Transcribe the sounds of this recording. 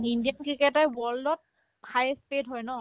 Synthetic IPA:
indiɔnkɹikɛtɔjwɔɹldɔt̚ | pʰajspetɦɔjnɔ

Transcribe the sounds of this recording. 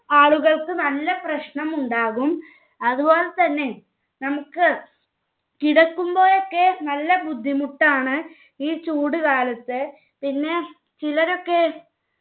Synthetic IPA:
aːɭuɣɐɭkɨnɐlːɐprɐɕɳɐmuɳɖaːɣum | ɐðubo̞ːlɐt̪ɐnːe̞ | nɐmukːɨ | kiɽɐkːumbo̞ːjokːenɐlːɐbud̪ʱːimuʈːaːɳɨ | iːt͡ɕuːɽɨkaːlɐt̪ːɨ | pinːe̞ | t͡ɕilɐɾo̞kːe

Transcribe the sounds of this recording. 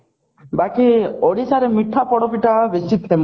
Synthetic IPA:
bakiɔɽisaɾemiʈʰːapɔɽɔpiʈabesit̪ʰem

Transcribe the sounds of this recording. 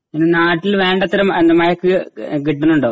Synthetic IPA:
inunaːʈːilʋe̞ːɳɖɐt̪ːɐɾɐmɐnd̪ɐmɐjɐkːɨkiʈːɐnːuɳɖo

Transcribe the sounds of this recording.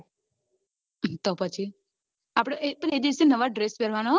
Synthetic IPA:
t̪opət͡ʃʰi | apɽ̃eʔepəned̪iəsenəʋaɖɾespɛɾʋanaɦ

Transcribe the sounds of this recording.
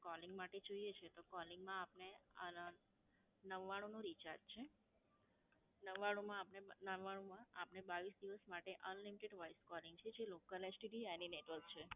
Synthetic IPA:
kɔliŋɡmaʈed͡ʒoijet͡ʃʰet̪okɔlɪŋɡmãapneə | nəʋːaɽ̃ũnoɾit͡ʃaɾd͡ʒt͡ʃʰe | nəʋːaɽ̃ũmãːpnenəʋːaɽ̃ũmãapnebaʋisd̪iʋəsmaʈeʔənlimiʈeɖʋajskɔlɪŋɡt͡ʃʰed͡ʒelokəled͡ʒʈiʈianineʈʋəɾkt͡ʃʰe

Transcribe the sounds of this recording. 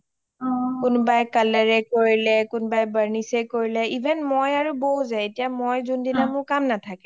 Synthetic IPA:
kʊnbajkalaɹɛkoɹilɛkʊnbajbəɹnisɛkoɹilɛibʱɛnmojaɹuboɦzajetijamojzundinamʊɹkamnatʰakɛ

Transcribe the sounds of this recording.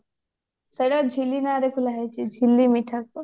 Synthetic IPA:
seɽad͡ʒʱilinaɾekʰulaɦajt͡ʃʰid͡ʒʱilːimiʈʰast̪u

